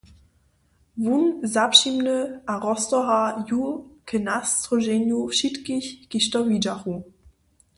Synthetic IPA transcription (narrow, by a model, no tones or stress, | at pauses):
vunzapʃimnəaʁɔstɔɦajukʰənast͡sʁoʒenjoʃitkɪçɡ̥iʃtɔvid͡ʒaχu